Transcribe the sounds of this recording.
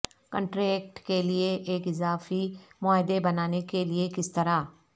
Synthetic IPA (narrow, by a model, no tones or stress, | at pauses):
kə̃ɳʈɾeːk̚ʈkelieʔeːkɪzaːfimʊaːɦɪd̪ebɐnaːnekeliekɪst̪ɐɾa